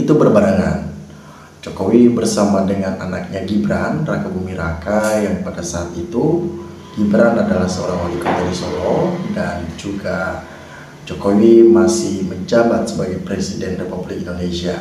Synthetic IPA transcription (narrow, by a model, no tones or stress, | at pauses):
it̪ubərbaɾaŋa̰n | d͡ʒokowibərsamadəŋananak̚ɲaɡibɾanrakabumiɾakajaŋpadasaːt̪it̪u | ɡ̥ibɾanadalahsəoɾaŋalikɔt̪aɾisolɔdand͡ʒuɡa | d͡ʒokowimasɪhməɲd͡ʒabat̪̚səbaɡajpɾesidɛnrepublɪk̚indonesia